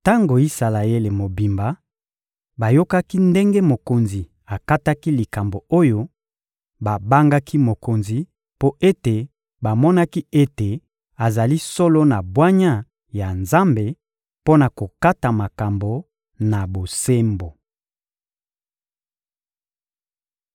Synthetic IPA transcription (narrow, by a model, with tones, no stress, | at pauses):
ta˦ŋɡo˨i˦sa˨la˨je˦le˨mo˨bi˨mba˨˦ | ba˨jo˦ka˦ki˦nde˦ŋɡe˦mo˨ko˨nzi˨ | a˨ka˦ta˦ki˦li˨ka˨mbo˨o˦jo˦ | ba˨ba˦ŋɡa˦kʰi˦mo˨ko˨nzi˨ | po˦ʔe˦te˨ | ba˨mɔ˦na˦ki˦e˦te˨ | a˨za˨li˦so˦lo˦na˨bwa˦ɲa˦ | ja˨nza˦mbe˨ | po˦na˨ko˨ka˦ta˨ma˨ka˨mbo˨ | na˨bo˨se˦mbo˨